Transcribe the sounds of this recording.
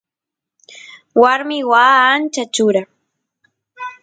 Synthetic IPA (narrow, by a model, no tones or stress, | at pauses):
waɾmɪwaːnt͡ʃat͡ʃʊɾa